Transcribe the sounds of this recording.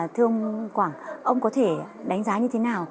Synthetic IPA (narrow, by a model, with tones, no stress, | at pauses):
t̪ʰɨ˧əŋkwaː˧˩ŋʔə˧wŋ͡mkɔ˨˦t̪ʰe˧˩ | ɗa˨˦jŋ̟zaː˨˦ɲɨ˧t̪ʰe˨˦naː˨˩w